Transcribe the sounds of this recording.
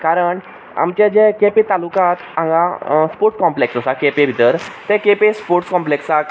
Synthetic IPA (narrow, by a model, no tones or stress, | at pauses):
kaɾəɳ | a̰mt͡ɕad͡ʑẽkepet̪alukat̪ãŋɡãspoɾʈskɔ̃mpleksɔsakepebʱit̪əɾt̪ɛ̃kepespoɾʈskɔmpleksa